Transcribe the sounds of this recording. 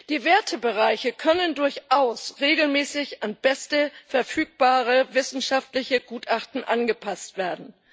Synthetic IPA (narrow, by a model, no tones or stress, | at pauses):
d̥iːveːɐtʰəbəʁaɪçəkʰœnəndʊɐçʔaʊsʁeːɡl̩mɛːsɪçanb̥ɛstəfɛɐfyːk̚b̥aːʁ̞əvɪsn̩ʃaftlɪçəɡuːtʔaχtn̩ʔanɡəpʰastv̥eːɐdn̩